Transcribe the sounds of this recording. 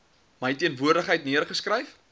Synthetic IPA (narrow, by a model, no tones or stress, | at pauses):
məjtiənvuərdəχɦəjtniərχəskrəjf